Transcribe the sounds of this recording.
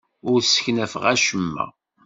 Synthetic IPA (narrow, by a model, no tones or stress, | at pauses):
ʊɾsə̥çnæfʁæʃəmːæ̰